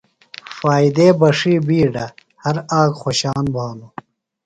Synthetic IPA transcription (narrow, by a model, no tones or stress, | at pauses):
faːid̪eːbɐʂiːbiːɖɐ | hɐɾaːkxoɕaːnbʱaːnu